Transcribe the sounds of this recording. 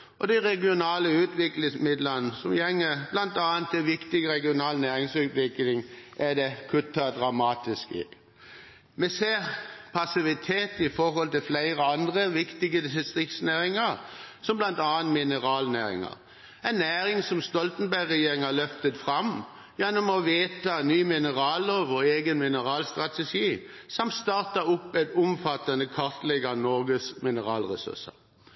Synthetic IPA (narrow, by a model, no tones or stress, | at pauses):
ʔɔd̪æɪʁɛɡɪʊnɑːləʉːt̪ʋɪklɪŋsmɪd̪lənəsɔmjɛŋːəb̥lɑnt̪ɑːənt̪ʰːɛʋɪkt̪ɪɡəɾɛɡɪʊnɑːlnæːɾɪŋsʉːt̪ʋɪklɪŋʔæd̪ɛkʰʉt̪ːɑd̪ɾɑmɑːt̪ɪskɪ̰ | mɛseːʁpʰɑsɪʋɪt̪ʰeːt̪ɪfɔɾhɔlt̪ɪlflæɪɾəɑnd̪ʁəʋɪkt̪ɪɡəd̪ɪsɪst̪ʁɪkt̪snæːɾɪŋɑɾsɔmblɑnt̪ɑːənt̪mɪnəʁɑːlnæːɾɪ̰ŋɑ̰ʁ | ɛɪnːæːɾɪŋsɔmst̪ɔlt̪ən̩bæɡʁɛjeːɾɪŋɑlœft̪ət̪fɾɑm | jɛnːɔmɔʋeːt̪ʰɑnyːmɪnəʁɑːloʋɔeːɡənmɪnəʁɑːlst̪ʁɑt̪ɛʂiːsɑmt̪st̪ɑːʁt̪ɑʊpːɛt̪ʊmfɑt̪ːɑnəkʰɑʁt̪lɛɡɑnɔɾɡəsmɪnəʁɑːlʁɛsʉ̰sə̰